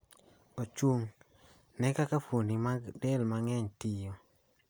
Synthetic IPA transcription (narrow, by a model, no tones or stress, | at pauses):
ot͡ʃwoŋ | nɛkakafonimaɡdɛlmaŋɛɲtijo